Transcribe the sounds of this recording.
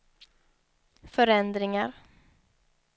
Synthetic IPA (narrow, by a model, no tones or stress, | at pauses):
fœɾɛnd̪ɾɪŋaɾ